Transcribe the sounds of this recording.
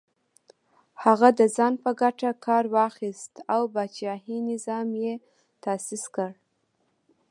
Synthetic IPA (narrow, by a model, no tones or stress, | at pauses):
haɣad̪əzɑnpəɡaʈakʰɑɾwɑxist̪awbat͡ʃɑɦinɪzɑmje | t̪asiskəɽ